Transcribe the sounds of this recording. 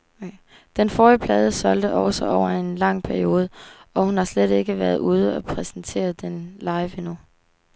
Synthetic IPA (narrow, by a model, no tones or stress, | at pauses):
d̥enfɒːjəpʰlɛːð̞ˠəsɒ̽ld̥əʔɒʊsɒʔɒʊ̰ɐe̝nlɑ̈ŋ̰pʰæɐio̝ːð̞ˠəɒ̽hunhɑ̈sleɾ̥e̝ɡ̥əʋæɐð̞ˠuːð̞ˠəɒpʰʁɛsn̩t͡sʰe̝̰ːɐð̞ˠd̥enlɑ̈ɪʋenu